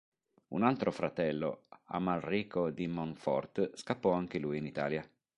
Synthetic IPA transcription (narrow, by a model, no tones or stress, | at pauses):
ṵnalt̪ɾofɾat̪ɛlːo̰a̰malriːkod̪imɔɱfɔ̰rt̪skapːɔaŋk̟elujinit̪a̰ːlja